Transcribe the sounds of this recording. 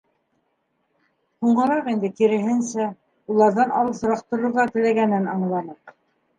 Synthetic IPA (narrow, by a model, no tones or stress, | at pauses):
huɴɢɤ̆ɾɑqind̪ɘkiɾɘ̆ɦɘ̆nsæ | ulˠɑɾðɑnɑ̰lˠɤs̆ɾɑqt̪ɤ̆ɾŏɾʁɑt̪ɘ̆læɡænɘnɑɴlˠɑnɤq